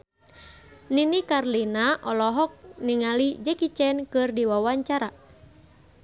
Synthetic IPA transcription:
ninikarlinaʔɔlɔɦɔk̚niŋalid͡ʒɛkit͡ʃɛnkɨrdiwawaɲt͡ʃaɾa

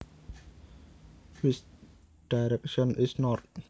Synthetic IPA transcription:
his | ɖ̥aɪɾɛkʃə̃nʔɪsnɔʈ

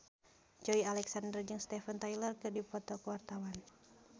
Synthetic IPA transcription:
d͡ʒɔialɛksandərd͡ʒɨŋst̪ɛfənt̪ajlərkɨrdipɔt̪ɔkuwart̪awan

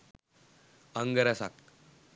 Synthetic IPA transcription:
əŋɡəɾasak

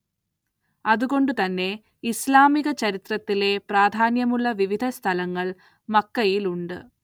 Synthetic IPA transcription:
ɐðuɣo̞ɳɖɨt̪ɐnːe̞ | islaːmiɣɐt͡ɕɐɾit̪rɐt̪ːile̞praːd̪ʱaːnjɐmuɭːɐʋiʋid̪ʱɐst̪ʰɐlɐŋːɐɭ | mɐkːɐjiluɳɖɨ̰

